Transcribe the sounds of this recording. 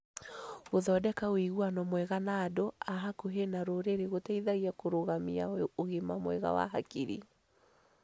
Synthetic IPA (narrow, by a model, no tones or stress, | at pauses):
ɣoðɔdɛkaɣwiɣwanɔmwɛɣanaːdoaɦakoɦenaɾoɾeɾeɣotɛiðaɣiakoɾoɣamiaoɣemamwɛɣa̰wa̰ɦakiɾḭ